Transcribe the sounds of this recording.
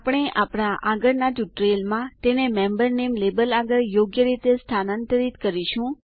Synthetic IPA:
pɽ̃eʔapɽ̃aʔaɡəɾnad͡ʒuʈɾelmãt̪enemẽmbəɾnemlebəlaɡəɾjoɡjəɾit̪est̪ʰanənt̪əɾit̪kəɾiʃũ

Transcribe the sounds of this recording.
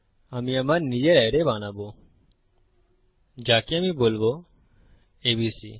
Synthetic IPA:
amĩəmaɾnid͡ʒeɾəːɾebaːnaːboː | d͡ʒaːkeəmĩboːlbo | eːbisḭː

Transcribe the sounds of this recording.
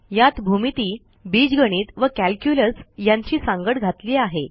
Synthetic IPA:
jat̪bʱumit̪iː | biːd͡zɡəɽ̃iːt̪ʋəkælkjuləsjaɲt͡ɕiːsãŋɡəɽɡʱat̪liːaɦe

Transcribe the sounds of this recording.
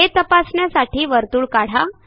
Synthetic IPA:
et̪əpasɳjasaʈʰiːʋəɾt̪uːɭkaɽ̤a

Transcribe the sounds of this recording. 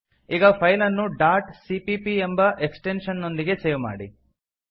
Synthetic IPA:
iːɡɐpʰɐjlɐnːuɖaːɾʈsipipiembɐʔeksʈenʂɐnːo̞nd̪iɡe̞seːʋma̰ːɽi

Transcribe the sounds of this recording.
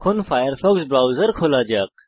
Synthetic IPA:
kʰʊnfaːjəɾfɔːksbɾaːwzəɾkʰoːlaːd͡ʒaːk̚

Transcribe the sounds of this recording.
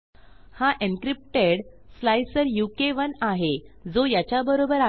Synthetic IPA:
haʔenkɾip̚ʈeɽ | slajsəɾjukeʋənaɦed͡zojat͡ɕjabəɾobəɾa

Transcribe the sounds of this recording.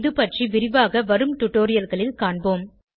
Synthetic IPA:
ðɯpɐʈriʋɪɾɪʋaːɣɐʋɐɾɯmʈʊʈːoːɾɪjɐlɣɐɭɪlkaːɳboːm

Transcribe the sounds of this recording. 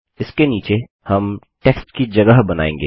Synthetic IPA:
ɪskeniːt͡ʃe | hɐm | ʈeːksʈkid͡ʒɐɡəɦbɐna̰ːḛ̃ːŋɡḛː

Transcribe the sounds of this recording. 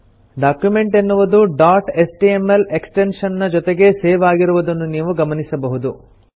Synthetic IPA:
ɖaːkjume̞ɳʈenːuʋud̪uɖaːʈesʈiemeleksʈenʃɐnːɐd͡ʒɔt̪eɡe̞seːʋaːɡiɾuʋud̪ɐnːuniːʋuɡɐmɐnisɐbɐɦud̪u

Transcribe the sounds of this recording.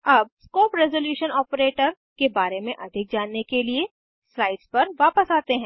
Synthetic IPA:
ɐb̚skoːpɾɛzoljuːʃənɔːpɾeːʈəɾ | kebaːɾemẽʔɐd̪ʱɪk̚d͡ʒaːnːekelie | slaːɪɖspɐɾʋaːpəsaːt̪eɦɛ̃ː

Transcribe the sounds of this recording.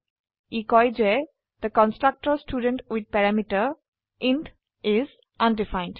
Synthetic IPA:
ikɔjd͡ʒe | d̪̥əkɔ̃nsʈɾak̚ʈəsʈʰuːɖə̃nʈwid̪̚pɛɾamiʈə | ʔɪ̃nt | ɪz | ʔʌ̃nɖifãɪ̃nɖ

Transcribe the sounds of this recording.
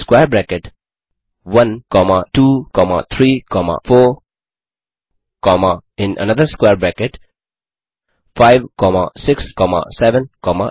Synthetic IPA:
skwɛbɹɛkɛt | wãnkɔmatukɔma̰t̪ʰɹikʰɔma̰fɔ | kɔmaɪ̃nʔə̰nad̪əskwɛbɹɛkɛt | faɪvkɔma̰sɪkskɔma̰sɛvə̃nkɔma̰

